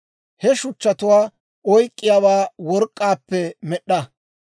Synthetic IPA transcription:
hɛʃʊt͡ʃːɐt̪ʊwaː | ɔjkʼːɪjaːbaːwɔɾkʼːaːpːɛmɛɗːɐ

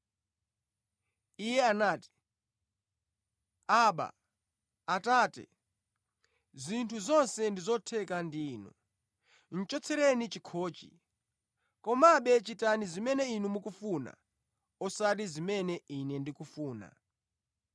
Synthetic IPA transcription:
ijɛanaːti̥ | aɓa̰ | ataːtɛ̰ | zintʰuzɔnsɛndizɔtʰɛkandiːnṵ | n̩t͡ʃɔt͡sʰɛɾɛnit͡ʃikʰɔːt͡ʃḭ | kɔmaɓɛt͡ʃitanizimɛnɛinumukufuna̰ | ɔsaɾizimɛnɛʔinɛndikufuːna̰

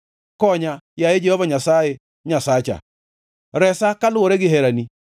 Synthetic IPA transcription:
kɔɲajajed͡ʒɛhɔvaɲasaje | ɲasat͡ʃa̰ | ɾɛsakalʊoɾeɡɪɦɛɾani

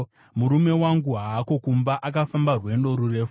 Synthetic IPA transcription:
muɾume̞waŋɡuɦaːko̞kumbaʔak̬afambarwe̞ndo̞ɾure̞ːfu

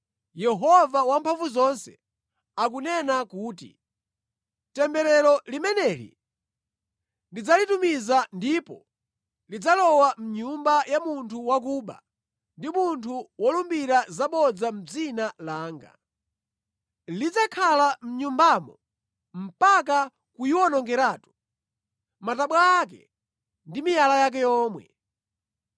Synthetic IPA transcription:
jɛɦɔvawampʰaɱvuzɔnsɛ̰ | ak̬unɛnakuːtḭ | tɛmbɛɾɛɾɔlimɛnɛlḭ | nlid͡zalitumizandipɔ̰ | lid͡zalɔwam̩ɲumbajamuntʰuwak̬uːɓa̰ | ndimuntʰuwɔlumbiɾazaɓɔd͡zam̩d͡zinalaːŋɡa̰ | lid͡zakʰalam̩ɲumbamɔ | m̩pak̬a | kujiwɔnɔŋɡɛɾaːtu̥ | mataɓwaakɛ̰ | ndimijalajak̬ɛjɔːmwɛ̰

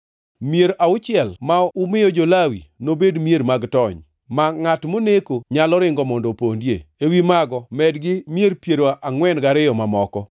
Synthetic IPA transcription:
mieɾʔaʊt͡ʃɪɛlmaʊmɪjɔd͡ʒolawinobedmjeɾmaɡtɔɲ | maŋatmonekoɲalɔɾɪŋɡɔmɔndɔpondjḛewimaɡɔmɛdɡɪmjeɾpjeɾoʔaŋwɛnɡaɾɪjɔmamɔkɔ

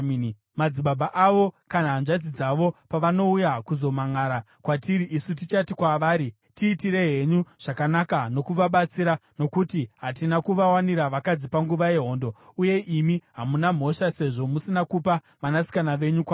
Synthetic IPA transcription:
mad͡ziɓabʱaʔaʋo̞kanaɦːnʐad͡zid͡zaʋo̞paʋano̞ujakuzo̞maŋaːɾa | kwatiɾiʔisut̬it͡ʃatikwaʋaːɾi | tiːtiɾe̞ɦe̞ɲuʐ̥akanakano̞kuʋaɓat͡siɾano̞kutiɦatinakuʋawaniɾaʋakad͡zipaŋɡuʋaje̞ɦo̞ːndo̞uje̞ʔimiɦamunam̤o̞ʃase̞ʐo̞musinakupa | manasi̥kanaʋe̞ɲukwaː

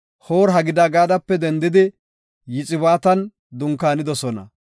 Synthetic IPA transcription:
hoːɾɦɐɡɪd̪aːɡaːd̪ɐpːɛd̪ɛnd̪ɪd̪ɪ | jɪt͡sʼɪβaːt̪ɐn | d̪ʊŋkaːnɪd̪ɔsɔnɐ̰

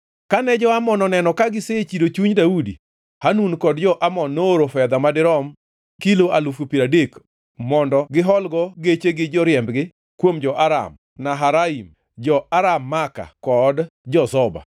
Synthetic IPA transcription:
kanɛd͡ʒɔamɔnɔnɛnɔkaɡɪset͡ʃidot͡ʃuɲdaudḭ | hanunkɔdd͡ʒɔʔamɔnːooɾofɛd̪amadɪɾɔm | kiloʔalufupiɾadek | mɔndɔɡɪɦɔlɡɔɡet͡ʃeɡɪd͡ʒɔɾjɛmbɡɪ | kwomd͡ʒɔʔaɾa̰m | naɦaɾaim | d͡ʒɔʔaɾamːaka̰kɔdd͡ʒɔsɔba̰

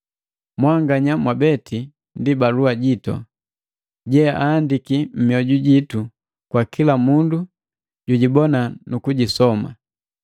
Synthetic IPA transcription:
mwaŋɡaɲamwabɛtʰi | ndibaluaɟitɔ̰ | ɟɛaːndikim̩miɔɟuɟitu | kwakilamundu | ɟuɟibɔnanukuɟisɔma̰

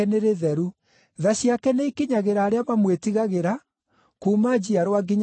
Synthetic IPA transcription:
ɛneɾeðɛɾu | ðaɕiakɛneikiɲaɣeɾaːɾeamamwetiɣaɣeɾa | kuːmad͡ʑiaɾowaɡiɲ

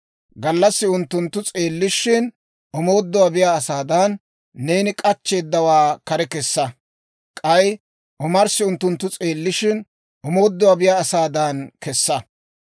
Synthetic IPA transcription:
ɡɐlːɐsːɪʊnt̪ːʊnt̪ːʊt͡sʼe̞ːlːɪʃɪn | ʔɔmo̞ːd̪ːɔwabɪjaːsaːd̪ɐnː | eːnɪkʼɐt͡ʃːe̞ːd̪ːɐwaːkɐɾɛkɛsːɐ | kʼɐj | ʔɔmɐɾsːɪʊnt̪ːʊnt̪ːʊt͡sʼeːlːɪʃɪn | ʔɔmo̞ːd̪ːɔwabɪjaːsaːd̪ɐnkɛsːɐ

